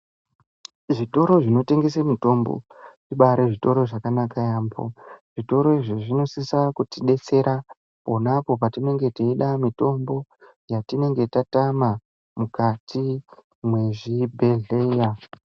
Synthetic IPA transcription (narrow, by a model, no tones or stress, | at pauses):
ʐito̞ɾo̞ʐino̞te̞ŋɡe̞semito̞mbo̞̰ʐiɓaɾeʐito̞ɾo̞ʐakanakajaːmbo̰ʐ̥ito̞ɾo̞iʐiʐino̞sisakutiɗe̞t͡se̞ɾʔa | po̞napo̞p̬atine̞ŋɡe̞tiiɗamito̞mbo̞ | jatine̞ŋɡe̞tatama | mukatʰi | mwe̞ʐibʱe̞ɮe̞ːja